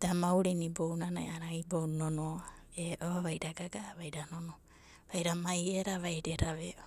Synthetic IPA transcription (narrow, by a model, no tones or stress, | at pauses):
d̥amawɾinibownana̰jaɾaibownono | eʔoaβajɾaɡaɡaβajɾanono | βajɾamajeɾaβajɾeɾaβeo